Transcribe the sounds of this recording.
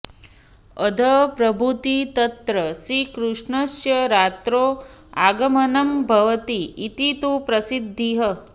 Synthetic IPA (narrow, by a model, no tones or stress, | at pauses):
ɐd̪ʱɐpɾɐbʱut̪it̪ɐt̪ɾɐsɾikɾuʂɳɐsjɐɾaːt̪ɾoː | aːɡɐmɐnɐmbʱɐʋɐt̪iːt̪it̪upɾɐsid̪ʱːiɦɐ